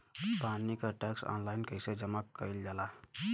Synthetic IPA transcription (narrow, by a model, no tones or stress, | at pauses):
banikəʈeksa̰nlainkəjsed͡ʒəmakəild͡ʒala